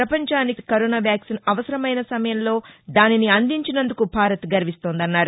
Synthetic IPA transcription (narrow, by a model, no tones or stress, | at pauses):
ɾɐpɐɲt͡ʃaːnikɐɾoːnaːʋjaːksinɐʋɐsɐɾɐmɐjnɐsɐmɐjɐmlo̞ːd̪aːniniɐnd̪iɲt͡ʃinɐnd̪ukubʱaːɾɐt̪ɡɐɾiʋist̪o̞ːnd̪ɐnːaːɾu